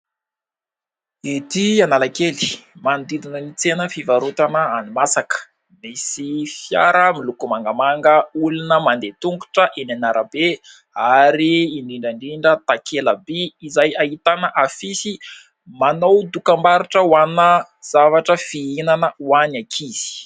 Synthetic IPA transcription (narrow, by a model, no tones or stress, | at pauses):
et̪ianalakeli̥mand̪id̪inəlit͡senəfivaɾut̪anəanimasakə̥ | misifja̰ɾəmilukumaŋɡamaŋɡəulunəmand̪et̪uŋɡuʈ͡ʂəʔenanaɾəbe | aɾiːɳdiɳɖ͡ʐaɳɖ͡ʐiɳɖ͡ʐət̪akʰeləbiːzajaɦit̪anəʔafisi | manowd̪ukambaɾiʈ͡ʂəwanə | z̥avaʈ͡ʂəfiinanəwanakʰiz̥i̥